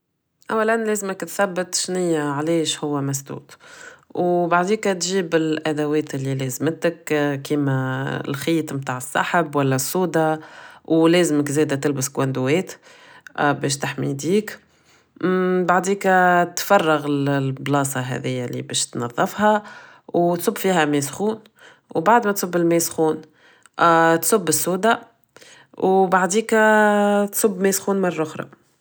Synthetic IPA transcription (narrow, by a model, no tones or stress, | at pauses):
ʔawːælænlɛːzməkt̪θæbːət̪ˤʃnɪjːaʕlɛːʃhʊwːæmæsd̪ṵːt̪wbaʕd̪iːkæt̪ʒiːbɪlʔæd̪æwɛːt̪ɪlːilɛːzmət̪əkkiːmæ̰lxiːt̪ˤmt̪aːʕəsːɑ̰ħəbwælːæsˤːuːd̪ɑwlɛːzməkzɛːd̪æt̪ɪlbəskwænd̪uwɛːt̪ | bɛːʃt̪aħmḭd̪iːk | baʕd̪iːkt̪fɑrˤːɑɣɪlblɑːsˤɑɦɛ̰ðɪjːælḭbɛːʃt̪nɑðˤːɑfhɑ | wt̪sˤʊbːfiːɦæmesxuːn | wbaʕd̪mɛt̪sˤʊbːɪlmesxuːn | t̪sˤʊbːɪsˤːuːd̪ɑ | wbaʕd̪iːk | t̪sˤʊbːmesxuːnmɑrˤːɑʔʊxɾˤɑ̰